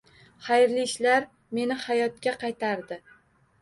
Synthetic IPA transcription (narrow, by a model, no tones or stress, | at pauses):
χajɾliɪʃlaɾ | me̞nɪhajɒt̪̚kʲaqʰɑjt̪ʰaɾd̪ɪ